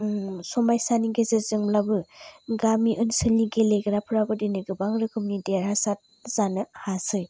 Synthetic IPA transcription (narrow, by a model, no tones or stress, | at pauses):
sɔmajsaniɡezezɯŋlabɯɡamiʔɯnsɯlniɡeleɡɾapʰɯɾaɡɯdinɯɡɯbaŋɾɯkʰɯmnideɾhasat̚ | z̥anɯhasɯj